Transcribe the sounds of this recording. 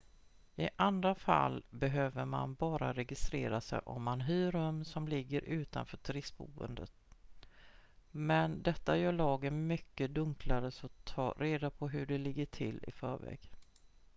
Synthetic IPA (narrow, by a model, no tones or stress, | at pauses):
ɪʔand̪ɾafa̰lːbɛɦøːvəɾma̰nbɑːɾaɾɛɡɪst̪ɾḛːɾasɛ̰jʔɔmːanɦyːɾɵmsɔmlɪɡːəɾʔʉ̟ːt̪a̰nfœːʈʰɾɪsbṵːvə̰nd̪ə̰t̪ | mɛnd̪ɛt̪ːajœːɭɑːɡənmʏkːəd̪ɵŋkʰlaɾəsɔt̪ʰːɑːɾeːd̪apʰɔɦɵɖɛlɪɡːəʈʰɪlːɪ̰fœːɾvɛ̰ːɡ̥